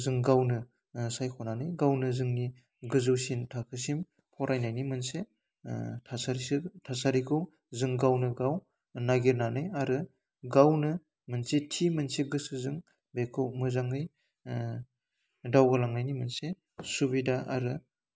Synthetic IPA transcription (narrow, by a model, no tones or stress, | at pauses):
zɯŋɡawnɯ | sajkʰɔnanɯjɡawnɯzɯŋni | ɡɯzɯwsintʰakʰɯs̬im | pʰɔɾʔajnajnimɯnse | tʰasaɾisitʰasaɾikʰɯw | zɯŋɡawnɯɡaw | naɡiɾnanɯjaɾɯ | ɡawnɯ | mɯnsetʰimɯnseɡɯsɯzɯŋ | bekʰɯmɯzaŋɯj | dawɡɯlaŋnajnimɯnse | subidaʔa̰ɾɯ